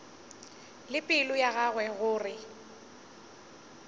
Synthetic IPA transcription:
lɪpʼɪlʊjaɣaɣwɛɣʊːrɪ

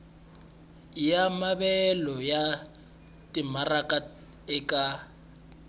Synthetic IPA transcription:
jamabɛlɔja | tʼimarakʼa | ɪkʼa

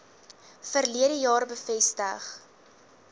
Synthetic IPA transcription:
fərliəɾəjɑːrbəfɛstəχ

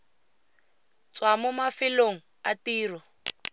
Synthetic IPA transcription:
t͡swamʊmafɪloŋ̩a̰tiːrɔ

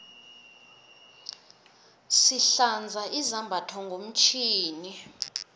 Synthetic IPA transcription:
siɬand͡zʱaʔizambʱatʰɔŋɡʱom̩t͡ʃʰiːni

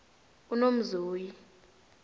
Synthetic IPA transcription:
unom̩zuːji

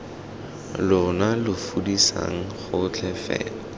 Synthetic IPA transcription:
lʊnalʊfudisa̰ŋ̩χʊt͡ɬʰɛfɛ̰ːla

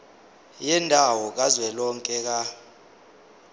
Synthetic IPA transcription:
jɛndʱawɔk̬azwɛlɔŋkʼɛk̬a

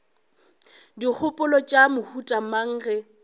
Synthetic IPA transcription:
dik͡xʰʊpʼʊlɔt͡ʃʼamʊhutʼamaŋ̩ːɣɛ

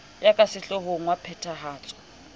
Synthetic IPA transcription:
jakʼasɪɬɔhoŋ̩wapʰɛtʰaɦaːt͡sʼɔ̥

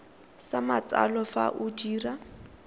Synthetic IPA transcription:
samat͡sʼa̰lɔfa̰ʔʊdiːra

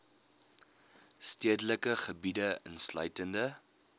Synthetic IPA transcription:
stiədələkəχəbidəənslœ̰ɥtəndə

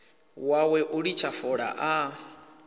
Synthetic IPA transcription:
wawɛʔuɺit͡ʃʰafɔɺa̰ʔa

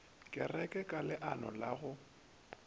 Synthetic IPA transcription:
kʼɪrɛkʼɛkʼalɪʔanɔ̰laɣʊ

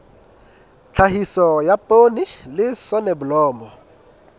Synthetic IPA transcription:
t͡ɬʰaɦisɔjapʼonilɪsɔnebʊlɔːmɔ

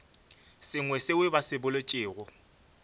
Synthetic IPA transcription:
sɪŋwɛsɪwɪbasɪbʊlot͡ʃʼɪːɣʊ

